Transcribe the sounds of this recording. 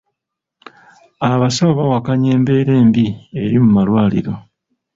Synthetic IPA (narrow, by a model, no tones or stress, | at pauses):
aβasaoβawakaɲe̞ːmbe̞ːɾe̞ːmbie̞ɾimumalwaːlḭɾo̞